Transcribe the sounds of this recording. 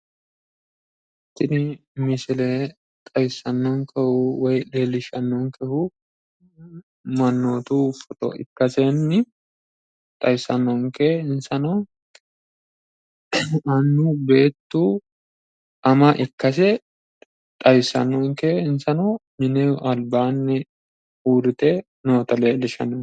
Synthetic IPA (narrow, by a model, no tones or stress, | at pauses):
ɪt̪ːɪnɪmɪsɪlɛ | t̪ʼɐjsɐnːɔŋkʰɛhʊwɔjleːlːɪʃɐnːɔŋkɛhʊ | mɐnːoːt̪ufɔt̪ɔ̰ɪ̰kːɐsɛnːɪ | t̪ʼɐjsɐnːɔŋkɛɪnsɐnɐw | ɐnːube̞ːt̪ːuː | ʔɐmɐʔɪkːɐs̬ɛ | t̪ʼɐjsɐ̰nːɔŋkɛɪnsɐnɐmɪnɛʔɐlbaːnːɛ | uːɾɪt̪ɛ | noːt̪ɐleːlːɪʃɐ̰nɔ